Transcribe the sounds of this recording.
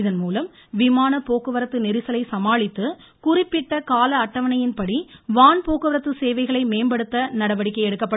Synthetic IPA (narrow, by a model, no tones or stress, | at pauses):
ɪðɐnmuːlɐm | ʋɪmaːnɐpoːkɯʋɐɾɐt̪ːɯnɪɾɯsɐlɐɪsɐmaːɭɪt̪ːɯ | kʊrɪpːɪʈːɐkaːlɐːʈːɐʋɐnɐjɪnpɐɽiʋaːnpoːkɯʋɐɾɐt̪ːɯseːʋɐɪɣɐɭɐɪmeːmbɐɽɯt̪ːɐnɐɽɐʋɐɽɪkːɐɪɛɽɯkːɐpːɐ